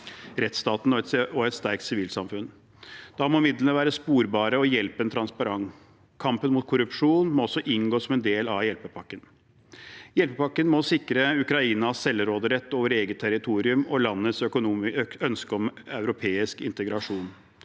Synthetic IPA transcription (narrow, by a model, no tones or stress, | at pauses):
ɾɛt̪st̪ɑːt̪n̩ɔɛt̪ɔɛt̪st̪æɾk̚t̪sɪʋiːlsɑmfʉn | d̪̥ɑːmɔmɪd̪lənəʋæːɾəspuːɾbɑːɾəɔjɛlpəɛnt̪ʰɾɑnspɑɾɑŋ | kʰːɑmpənmuːt̪̚kʰʊɾʉpʂuːnmɔɔsːɔʔɪŋɡoːsɔmɛnd̪eːlɑʋjɛlpəpʰɑkːən | jɛlpəpʰɑkːənmɔsɪkɾəʉkɾɑiːnɑsɛlɾoːd̪əɾɛt̪ːoːʋəɾeːɡət̪ʰːæɾɪt̪ʰuːɾɪʉmɔlɑnːət̪sœkʊnuːmœnskəɔmɑʉɾʊpʰeːɪskɪnt̪əɡɾɑʂuːn